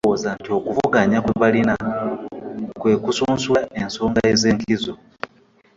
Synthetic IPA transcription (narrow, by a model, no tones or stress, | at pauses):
ozantio̞kuvuɡaɲakweβalina | kwe̞kusuːnsulaʔe̞nso̞ːŋɡaezeːŋkʰizo